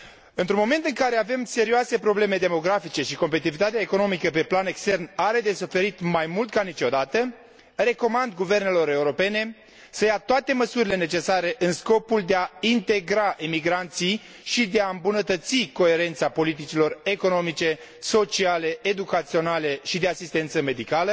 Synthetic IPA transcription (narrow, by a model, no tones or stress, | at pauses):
ɨnt̪ɾunmo̞me̞nt̪ɨŋkaɾe̞ave̞mse̞ɾioase̞pɾo̞ble̞me̞d̪e̞mo̞ɡɾafit͡ʃe̞ʃiko̞mpet̪it̪ivit̪at̪eaeko̞no̞mikəp̬e̞plane̞kst̪e̞rnaɾe̞d̪e̞sufe̞ɾit̪majmult̪̚kanit͡ʃo̞d̪at̪ə | ɾe̞ko̞mand̪ɡuve̞rne̞lo̞ɾe̞uɾo̞pe̞ne̞ | səjat̪oat̪e̞məsuɾile̞ne̞t͡ʃe̞saɾe̞ʔɨnsko̞puld̪eaint̪e̞ɡɾaʔimiɡɾant̪sij | ʃid̪e̞aɨmbunət̪ət̪siko̞e̞ɾe̞nt̪sapo̞lit̪̬it͡ʃilo̞re̞ko̞no̞mit͡ʃe̞ | so̞t͡ʃiale̞ːd̪ukat̪sio̞nale̞ʃid̪e̞asist̪e̞nt̪səme̞d̪ikalə